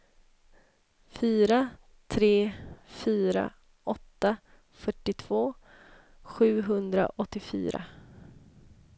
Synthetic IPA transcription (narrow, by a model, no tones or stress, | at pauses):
fyːɾa | t̪ʰɾeːfyːɾa̰ | ʔɔt̪ːa | fœʈːɪt̪ʰv̥oː | ɧʉ̟ːɦɵnd̪ɾa̰ʔɔt̪ːɪfy̰ːɾa̰